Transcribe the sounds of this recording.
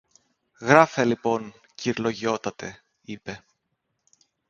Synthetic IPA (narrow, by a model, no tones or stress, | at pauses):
ɣɾɐfelipo̞ɲ | ciɾlo̞ʝio̞t̪ɐt̪e̞ | ipe̞